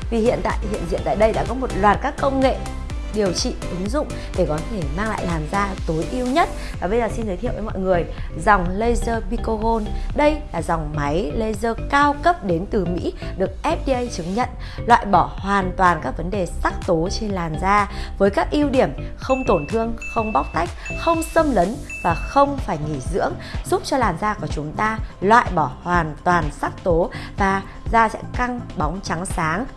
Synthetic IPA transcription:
vi˨˩hḭ˧˨ənt̪a̰ː˧˨jhḭ˧˨ənḭ˧˨nt̪a̰ː˧˨jɗə˧jɗa̰ː˧˥kɔ˨˦mo˨˩t̚lwaː˨˩t̚kaː˦˥kːə˧wŋ͡mŋḛ˧˨ | ɗi˨˩əwt͡ɕḭ˧˨ʔɨ˨˦ŋzʊ̰˧˨ŋ͡m | ɗe˧˩kɔ˨˦i˧˩maː˧ŋla̰ː˧˨jlaː˨˩mzaː˧t̪o˨˦jʔi˧əwɲə˦˥t̚ | vaː˨˩ɓə˧jzəː˨˩si˧nt̪ʰə˨˦t̪ʰi˧˨wvəː˨˦mɔ̰˧˨ŋɨ˨˩əj | zɔ˨˩wŋ͡mlə˧jzəː˧mi˧ko˧ɣo˧nɗə˧jlaː˨˩zɔ˨˩wŋ͡mma˨˦jlə˧jzəː˧kaː˧wkə˦˥p̚ɗe˨˦nt̪ɨ˨˩mḭ˧˥ɗɨ˨˩ək̚ʔɛ˦˥p̚ɗi˧ʔə˧jt͡ɕɨ˨˦ŋɲə̰˧˨n | lwa̰ː˧˨jɓɔ˧˩hwaː˨˩nt̪waː˨˩nkaː˦˥k̚və˨˦nɗe˨˩sa˦˥k̚t̪o˨˦t͡ɕe˧nlaː˨˩nzaː˧vəː˨˦jkaː˦˥k̚ʔi˧əwɗi˧˩əmxə˧wŋ͡mt̪o˧˩nt̪ʰɨ˧əŋxə˧wŋ͡mɓa˦˥k͡p̚t̪a˦˥jk̚xə˧wŋ͡msə˧mlə˨˦nvaː˨˩xə˧wŋ͡mfaː˧˩jŋi˧˩zɨ̰˧˥əŋzu˦˥p̚t͡ɕɔ˧laː˨˩nzaː˧ku˧˩ət͡ɕʊ˨˦ŋ͡mt̪aː˧lwa̰ː˧˨jɓɔ˧˩hwaː˨˩nt̪waː˨˩nsa˦˥k̚t̪o˨˦vaː˨˩ | zaː˧sɛ̰˧˥ka˧ŋɓa˨˦wŋ͡mt͡ɕa˨˦ŋsaː˨˦ŋ

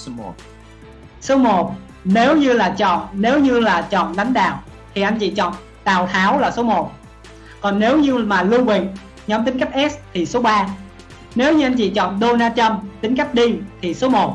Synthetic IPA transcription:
so˨˦mo˨˩t̚ | ne˨˦wɲɨ˧laː˨˩t͡ɕɔ̰˧˨nne˨˦wɲɨ˧laː˨˩t͡ɕɔ̰˧˨nɗa˨˦ŋ̟ɗa̰ː˨wt̪ʰi˨˩ʔa˧nt͡ɕḭ˧˨t͡ɕɔ̰˧˨n | ɗaː˨˩wt̪ʰaː˨˦wlaː˨˩so˨˦mo˨˩t̚ | kɔ˨˩nne˨˦wɲɨ˧maː˨˩lɨ˧əŋwi˨˩ŋ | ɲɔ˨˦mt̪ï˨˦ŋka˦˥k̟̚ʔɛ˦˥st̪ʰi˨˩so˨˦ɓaː˧ | ne˨˦wɲɨ˧ʔa˧jnt͡ɕḭ˧˨t͡ɕɔ̰˧˨nɗo˧naː˧t͡ɕə˧mt̪ï˨˦ŋ̟ka˦˥jk̚ɗi˧t̪ʰi˨˩so˨˦mo˨˩t̚

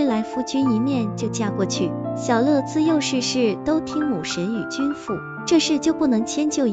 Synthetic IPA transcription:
la˧˥ɪfu˥˩t͡ɕy˥ni˧˥mjɛ˥˧nt͡ɕjo˥˧ʊt͡ɕja˥˧kwɔ˥˩t͡ɕʰy˥˩ɕjɑ˨˩ʊlɤ˥˩t͡sɹ̩˥˧jo˥˧ʊʂɻ̩˥˧ʂɻ̩˥˩t̪o˥ʊt̪ʰi˥ŋmu˨˩ʂə˧˥ny˨˩t͡ɕy˥nfu˥˩ | ʈ͡ʂɤ˥˧ʂɻ̩˥˧t͡ɕjo˥˧ʊpu˥˩nɤ˧˥ŋt͡ɕʰjɛ˥nt͡ɕjo˥˩ʊ

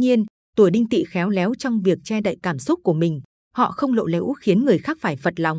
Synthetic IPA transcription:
ɲi˧ən | t̪u˧˩əjɗï˧ŋ̟t̪ḭ˧˨xɛ˨˦wlɛ˨˦wt͡ɕɔ˧wŋ͡mvi˨˩ək̚t͡ɕɛ˧ɗa̰ː˧˨jkaː˧˩msʊ˦˥t̚ku˧˩əmï˨˩ŋ̟ | hɔ̰˧˨xə˧wŋ͡mlo̰˧˨lḛ˨˦ʔu˦˥xi˨˦ənŋɨ˨˩əjxaː˦˥k̚faː˧˩jfə˨˩t̚la˨˩wŋ͡m

